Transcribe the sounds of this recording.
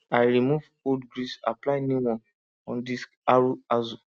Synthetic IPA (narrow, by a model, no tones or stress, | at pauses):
ajɾimuv | odɡɾisa̰plaɪnĩwɔ̃n | ɔ̃ndiskaɾuazu